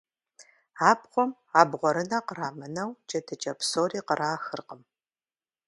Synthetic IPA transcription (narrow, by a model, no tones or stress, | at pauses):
aːpqʷɔm | aːbʁʷɔɾɨnɐqəɾaːmɐnɐwd͡ʒɐtʰɨt͡ʃʼɐpsoːɾiːqəɾʔaːxɨrqəm